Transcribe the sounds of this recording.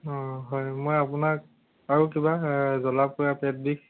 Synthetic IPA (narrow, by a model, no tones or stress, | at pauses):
ɔɦɔjmojapʊnak̚ | aɹukibazɔlapkʊjapɛt̚dik̚